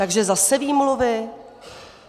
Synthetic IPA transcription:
aɡʒɛzasɛviːmlovɪ

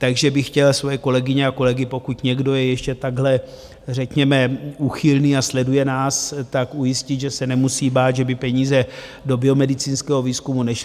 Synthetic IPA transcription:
t̪aɡʒɛbɪxcɛlsvojɛko̞lɛɡɪɲɛako̞lɛɡɪpo̞kut̪ɲɛɡdo̞jɛjɛʃcɛt̪aɡɦlɛ | r̝ɛkɲɛmɛuxɪlniːaslɛdujɛnaːst̪akʔujɪscɪd̪ʒɛsɛnɛmusiːbaːt̪ʒɛbɪpɛɲiːzɛ | do̞bɪomɛdɪt͡siːnskɛːɦo̞viːskumunɛʃ

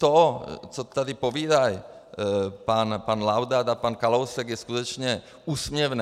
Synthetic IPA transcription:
t̪ɔt͡sɔt̪ad̪ipɔʋiːd̪aj | paːnpaːnlawd̪ad̪apaːnkalɔʊsɛɡjɛskut̪ɔt͡ʃɲɛ | uːsmɲɛʋnɛ

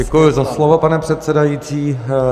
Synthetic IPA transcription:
ɛkujʊzaslovopanɛpr̥ɛt̪sɛdajiːt͡siː

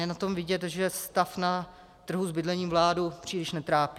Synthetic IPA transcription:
ɛnat̪o̞mvɪɟɛt̪ʒɛst̪afna | t̪r̩ɦuzbɪdlɛɲiːmvlaːdupr̝̥iːlɪʃnɛt̪ɾaːpi

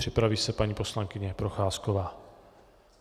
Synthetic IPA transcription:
r̥ɪpɾaviːsɛpaɲiːpo̞slaŋkɪɲɛpɾoxaːskovaː

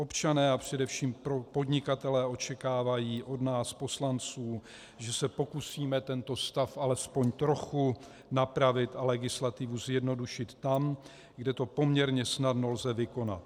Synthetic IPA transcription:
ʔo̞pt͡ʃanɛːapr̝̥ɛdɛfʃiːmopo̞dɲɪkat̪ɛlɛːʔo̞t͡ʃɛkaːvajiːʔo̞dnaːspo̞slant͡suː | ʒɛsɛpo̞kusiːmɛt̪ɛnt̪o̞st̪afʔalɛspo̞ɲt̪ɾo̞xu | napɾavɪt̪alɛɡɪslat̪ɪvuzjɛdno̞duʃɪt̪ːam | ɡdɛt̪o̞po̞mɲɛɾɲɛsnadno̞lzɛvɪko̞na̰t̪

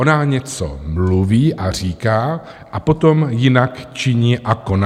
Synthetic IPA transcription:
onaɲɛt͡so̞̰mluviːʔar̝iːkaː | ʔapo̞t̪o̞mjɪnakt͡ʃɪɲiːʔako̞na

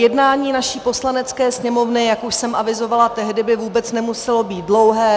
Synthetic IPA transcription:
jɛdnaːɲiːnaʃiːpo̞slanɛt͡skɛːsɲɛmo̞vnɪjakuʃsɛmʔavɪzo̞valat̪ɛɦdɪbɪvuːbɛt͡snɛmusɛlo̞biːt̪dlo̞wɦɛː

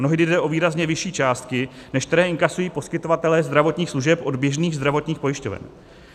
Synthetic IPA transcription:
noɦɪdɪdɛʔo̞viːɾazɲɛvɪʃiːt͡ʃaːst̪kɪnɛʃkt̪ɛɾɛːɪŋkasujiːpo̞skɪt̪o̞vat̪ɛlɛːzd̪ɾavo̞t̪ɲiːxsluʒɛpʔo̞d̪bjɛʒniːɣzd̪ɾavo̞t̪ɲiːxpo̞jɪʃcovɛ̰n

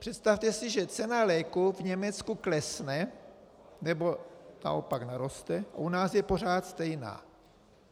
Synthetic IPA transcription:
pr̥ɛt̪st̪aft̪ɛsɪʒɛt͡sɛnalɛːkuvɲɛmɛt͡skuklɛsnɛ | nɛbo̞na̰ʔo̰paknaɾo̞st̪ɛa̰ʔunaːsjɛpo̞r̝aːt̪st̪ɛjna̰ː

